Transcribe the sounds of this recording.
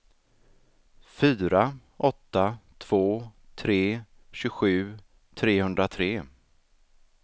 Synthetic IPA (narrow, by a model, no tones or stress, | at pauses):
fyːɾa | ʔɔt̪ːat̪ʰv̥oːt̪ʰɾeː | ɕɵɧʉ̟ː | t̪ʰɾeːhɵnd̪ɾat̪ʰɾeː